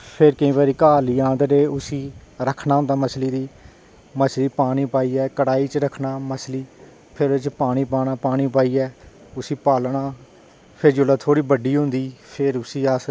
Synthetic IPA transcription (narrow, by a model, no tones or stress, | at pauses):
pʰɪɾkəĩːbaːɾiːkaːliːãːnd̪əɾeːʊsiːɾəkʰnãːnd̪aːməsliːd̪iː | məsliːpaːɽ̃iːpaːiːɛːkəɽaːiːt͡ʃɾəkʰnaːməsliː | pʰɪɾt͡ʃpaːɽ̃iːpaːnaːpaːɽ̃iːpaːiːɛː | ʊsiːpaːlɳaː | pʰɪɾd͡ʒʊlaːt̪ʰoːɽiːbəɖiːɦʊ̃nd̪iːpʰɪɾʊsiːaːs